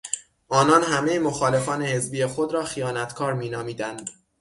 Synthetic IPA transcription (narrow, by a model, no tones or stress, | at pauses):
ʔɒːnɒːnɦæme̞jemo̞xɒːle̞fɒːnehe̞zbiːjexo̞d̪ɾɒːxijɒːnæt̪ʰkʰɒːɾmiːnɒːmiːd̪ænd̪̥